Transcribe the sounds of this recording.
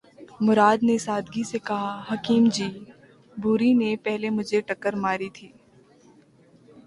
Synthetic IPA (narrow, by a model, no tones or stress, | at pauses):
mʊɾaːd̪nesaːd̪ɡisekɐɦaɦɐkiːmd͡ʒiː | bʱuːɾinepɛɦlemʊd͡ʒʱeʈɐkːəɾmaːɾit̪ʰiː